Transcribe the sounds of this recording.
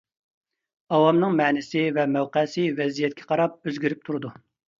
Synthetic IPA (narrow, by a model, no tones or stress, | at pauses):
ɑwɑmnɨŋmɛːnɪsɪvɛmɛwqɛsɪvɛzijɛt̪̚kʲʰɛqʰɑɾɑp̚øzɡʲiɾɪp̚t̪ʰuɾɨd̪u